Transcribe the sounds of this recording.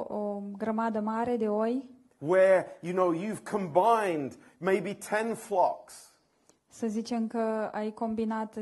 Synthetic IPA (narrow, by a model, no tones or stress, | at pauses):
oɡɾəmad̪əmaɾed̪eoj | wə˞jɨnoʊjʉv̥kʰə̃mbãɪ̃nd | meɪbitʰɛ̃nflɑks | səzit͡ʃemkəa̰jkombinat̪